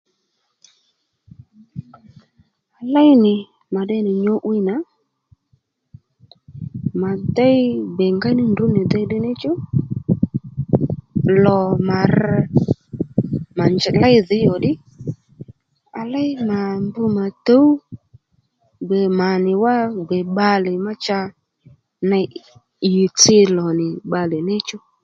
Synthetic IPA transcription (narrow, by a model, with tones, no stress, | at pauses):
a˧la˦jnɪ˨ | ma˨ɗɛ˧˦nɪ˨ɲo˧˦ʔwi˦na˨˦ | ma˨da˦jbɛ˨ŋɡa˦nɪ˦ndu˨˦nɪ˨dɛ˦ɗɪ˦nɪ˦t͡ʃʊ˦ | lɔ˨ma˨r | ma˨nd͡ʒla˦jðɪ˨˦jɔ˨ɗɪ˦ | a˧la˦jma˨mbʊ˧ma˨to˨˦u˦ | ɡ͡bɛ˨ma˨nɪ˨wa˦ɡ͡bɛ˨ɓa˧lɛ˨ma˦t͡ʃa˧ | na˧ | ɪ˨t͡sɪ˧lɔ˨nɪ˨ɓa˧lɛ˨nɛ˦t͡ʃʊ˦